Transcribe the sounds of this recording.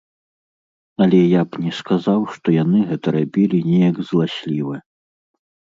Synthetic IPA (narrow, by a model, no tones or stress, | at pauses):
ɐlʲɛjapnʲɛskazawʂt̪ɔjanɨɣɛt̪ɐɾabʲilʲinʲɛjɐɡzlˠasʲlʲivɐ